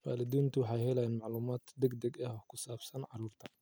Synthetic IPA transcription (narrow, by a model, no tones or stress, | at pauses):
waːlɪd̪iːnt̪ʰʊwɑħɑjhɛlɛjaːnmɑʕluːmaːd̪d̪ɛɡd̪ɛɡɛhkʰʊsaːbsɐnʕɑɾuːrt̪ʰɐ̥